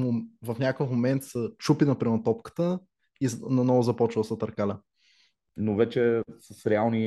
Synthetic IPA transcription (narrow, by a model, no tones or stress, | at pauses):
vɐfnʲakəfmomɛnt̪sət͡ʃupinɐpɾɛmɐt̪ɔpkə̥t̪ə | inɐnɔvʊzɐpɔt͡ʃvəsət̪ɐɾkalʲɐ | novɛt͡ʃɛsəsɾɛalˠni